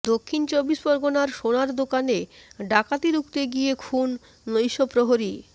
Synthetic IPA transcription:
d̪okʰːint͡ɕobiʃboɾɡonaɾʃonaɾd̪okaneɖakat̪iɾukt̪eɡiekʰun | lojʃopɾoɦoɾi

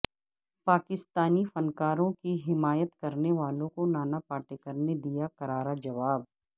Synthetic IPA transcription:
paːkɪst̪aːnifɐnkaːɾõkiɦɪmaːjət̪kɐɾneʋaːlõkonaːnapaːʈekəɾned̪ijakɐɾaːɾad͡ʒɐʋaːb̚

